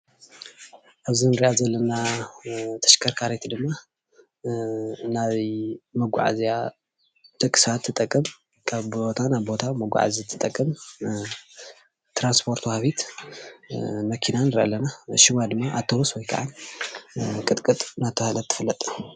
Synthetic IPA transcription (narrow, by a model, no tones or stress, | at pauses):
ʔaβzinɨɾiʔazɐlːɐna | t̪ʰɐ̥ʃkʰɐɾkʰaɾet̪ʰid̪ɨmːa | naβmɐɡʷa̰ʕa̰zija | t̪ʰɨkʼːɨ̥sat̪ʰːɨt̪ʼɐkʼːɨm | kʰaβot̪ʰanaβbo̞t̪ʰamɐɡʷa̰ʕa̰zit̪ʰɨt̪ʼɐkʼːɐm | t̪ɾanspʰo̞ɾt̪whaβit̪ | mɐkʰinanɨɾʔɐ̰lːɐnaʃɪwad̪ɨmːaʔat̪ʰːowuswɔjkʰa̰ʕan | kʼɨt̪ʼkʼɨt̪ʼnat̪ʰːɐhalɐt̪ʰːɨ̥fɨlːɐt̪ʼ